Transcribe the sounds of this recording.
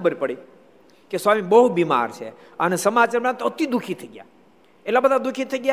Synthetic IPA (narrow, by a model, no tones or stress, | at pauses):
əbəɾipəɽi | keswamibəɦubima̰ɾt͡ʃʰḛ | ənesəmat͡ʃaɾmãt̪ot̪id̪ukʰit̪ʰəiɡja̰ | elabəd̪ʱad̪ukʰit̪ʰəiɡja